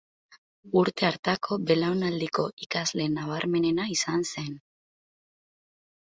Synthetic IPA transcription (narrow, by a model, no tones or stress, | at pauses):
uɾt̪e̞aɾt̪akʰo̞be̞lawnald̪iko̞ʔikazle̞naβ̞aɾme̞ne̞naisanse̞n